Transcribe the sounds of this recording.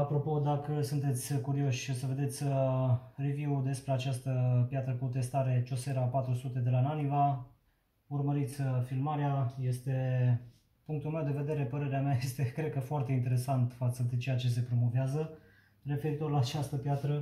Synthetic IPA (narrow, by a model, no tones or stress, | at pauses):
apɾo̞po̞d̪akəsunt̪e̞t̪sʲkuɾio̞ʃosəve̞d̪e̞t̪sʲ | revjiwd̪e̞spɾe̞at͡ʃast̪əpjat̪ɾəkut̪e̞st̪aɾe̞t͡ʃo̞se̞ɾəapat̪ɾusut̪e̞d̪e̞lananiva | urməɾit̪sʲfilmaɾeaje̞st̪e̞ | puŋk̚t̪ulmewd̪e̞ve̞d̪e̞ɾe̞pəɾe̞ɾeameaje̞st̪e̞kɾe̞d̪̚kəfoart̪e̞int̪e̞ɾe̞sant̪fat̪səd̪et͡ʃe̞jat͡ʃe̞s̬e̞pɾo̞mo̞veazə | re̞fe̞ɾit̪o̞rlaːt͡ʃast̪əpjat̪ɾə